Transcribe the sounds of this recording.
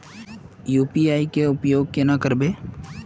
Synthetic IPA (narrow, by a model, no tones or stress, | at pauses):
juːpiaːikeʊpjoːɡ̚kenakəɾbeː